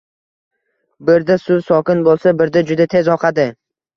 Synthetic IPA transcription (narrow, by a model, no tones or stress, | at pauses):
bɪɾd̪asʊsɒkʲɪnbolˠsabɪɾd̪ad͡ʒʊd̪at̪ʰe̞zɒqʰɑd̪ɪ